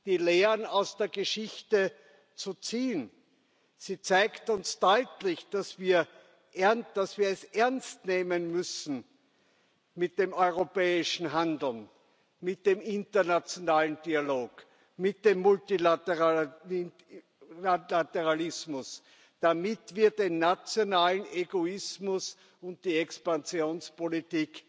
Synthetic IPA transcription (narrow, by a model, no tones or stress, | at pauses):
d̥iːleːənaʊsd̥eːɐɡəʃɪçtə | t͡sut͡siːn | z̥iːt͡saɪktʊnsd̥ɔʏtlɪçd̥asv̥iːɐ | ʔɛɐnd̥asv̥iːɐɛsʔɛɐnstneːmənmʏsn̩ | mɪt̚d̥eːmɔʏʁopɛːɪʃn̩ɦandl̩n | mɪt̚d̥eːmɪntɐnat͡sjonaːlənd̥ialoːk | mɪt̚d̥eːmːʊltilatɛʁa | alatɛʁalɪsmʊs | d̥amɪtv̥iːɐdenːat͡sjonaːləneɡoɪsmʊs | ʊnt̚d̥iːɛkspant͡sjoːnspolitiːk